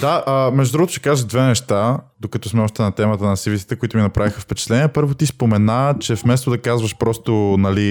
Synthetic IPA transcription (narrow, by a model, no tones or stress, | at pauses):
d̪aʔəmɛʒd̪od̪ɾuɡot̪o̥ʊʃɛ̥kazʒəʒd̪vɛnɛʃt̪ad̪okɐt̪ɔsmɛɔʃt̪ɛnɐt̪ɛmət̪ənɐsivisi̥t̪ɛkʊit̪ʊminɐpɾavixəfpɛt͡ʃɛ̥t̪lɛnʲiɛpɤɾvot̪ispomɛnat͡ʃɛfmɛst̪od̪ɐkazvɐʃpɾɔst̪onɐli